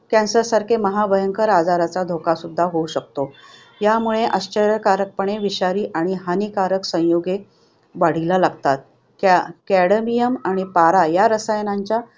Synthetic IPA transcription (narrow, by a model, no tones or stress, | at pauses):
kɛ̃nsəɾsaɾkʰeməɦabʱəjəŋkəɾad͡zaɾat͡sad̪ʱokasud̪ʱːaɦouɕək̚t̪o | jamuɭeʔəɕt͡ɕəɾjəkaɾək̚pəɳ̃eʋiɕaɾiːʔaɽ̃iɦanikaɾəksə̃joɡe | ʋaɽ̤ilalaɡt̪at̪̚ | kkæɽəmijəmaɽ̃ipaɾajaɾəsajnaɲt͡ɕja